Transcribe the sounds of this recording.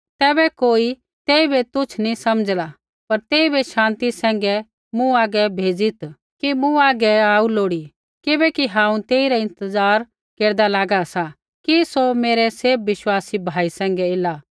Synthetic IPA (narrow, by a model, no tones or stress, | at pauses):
t̪ɛːbɛkoːi | t̪eːibet̪ʊt͡ʃʰnĩsɐməd͡zla | pɐɾt̪eːibeʃãːnt̪isɛ̃ːŋɡɛ | mũaːɡɛbʱeːd͡zit̪ | kimũaːɡɛaːuloːɽi | kɪbɛkiɦãːũt̪eːiɾɛɪ̃nt̪əzaːɾ | keːɾd̪alaːɡasa | kisomeːɾɛseːb̚ʋɪʃwaːsibʱaːisɛ̃ːŋɡɛeːlaː